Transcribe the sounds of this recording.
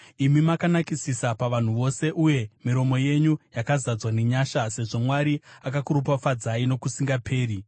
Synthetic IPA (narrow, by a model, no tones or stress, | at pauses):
imimakanakisisapaʋan̤uʋo̞se̞ʔuje̞miɾo̞mo̞je̞ɲujakazad͡zwaneɲaːʃase̞ʐo̞mwaɾiakakuɾup̬wafad͡zaino̞kusiŋɡapʰe̞ːri